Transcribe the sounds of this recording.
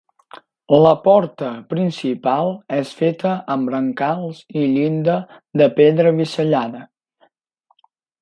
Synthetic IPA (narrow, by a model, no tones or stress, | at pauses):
ləpɔɾt̪əpɾinsipalˠɛsfet̪əʔəmbɾəŋkalˠziʎind̪ə | d̪əpeðɾəβisəʎanə